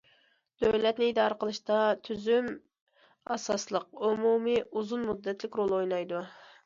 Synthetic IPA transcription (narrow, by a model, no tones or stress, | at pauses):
d̪̥øwlɛt̪nɪid̪ɑːɾəqəlˠɨʃt̪ɑt̪ʰyzym | ɑsɑslˠəq̚umumiʔuzunmud̪ːɛt̪lɪkʲɾolˠojnɑjd̪u